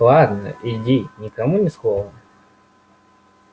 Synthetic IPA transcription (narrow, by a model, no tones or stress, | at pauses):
lˠad̪nə̰ʔɪdʲinʲɪkɐmunʲɪsxovə